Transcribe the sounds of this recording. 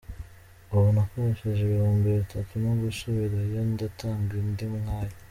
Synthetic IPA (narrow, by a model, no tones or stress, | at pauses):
oβonakoɾeʃeʒeβiɾoːmbeɾeitʰatunoɡusoβiɾaijonidatʰaːŋɡujendimŋaːja